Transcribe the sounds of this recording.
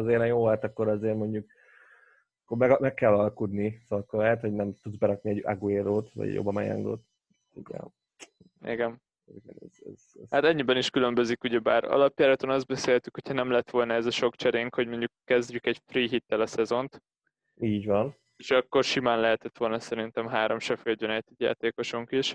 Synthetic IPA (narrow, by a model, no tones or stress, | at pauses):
ɒzeːɾɛjoːɔlt̪ɒkːoɾɒzeːɾmo̞ɲɟuk̚ | ɒkːoɾmɛɡmɛkːɛlːɒlkud̪nisokːoɾlɛɦɛt̪ho̞ɟnɛmt̪ud̪zbɛɾɒkniɛɟa̰ɡueːɾoːt̪ʋɒ̰ɟjo̰bːɒmɛ̰jɛ̰ŋɡo̰ːt̪ | ḭɡɛ̰ | ɛ̰ɡɛm | ɡɛnɛ̰zɛzzhat̪ɛɲːibɛniʃkylø̞mbø̞zikuɟɛbaːɾɒ̰lɒpjaːɾɒt̪onɒzd̪̚bɛseːt̪ykho̞cʰhɒnɛmlɛt̪ʋo̞lnɒɛzɒʃo̞kt͡ʃɛɾeːŋkhoɟmo̞ɲɟukːɛzɟykɛɟfriːɦit̪ːɛlɒsɛzo̞nt̪ | iːɟʋɒn | eʃɒkːo̞rʃimaːnlɛɦɛt̪ɛt̪ʋo̞lnɒsɛɾin̪t̪ɛmɦaːɾo̞mʃɛfølɟønɛt̪ːiɟja̰ːt̪eːko̞ʃoŋkiʃ